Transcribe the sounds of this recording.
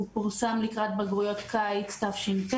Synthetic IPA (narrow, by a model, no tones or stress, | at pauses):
upuʁsamlikʁat̪̚beɡʁujo̞t̪kʰajt͡st̪afʃimt